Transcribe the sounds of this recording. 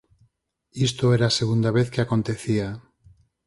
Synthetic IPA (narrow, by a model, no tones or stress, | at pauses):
ist̪oeɾaseɣund̪aβeθkeako̞nt̪e̞θia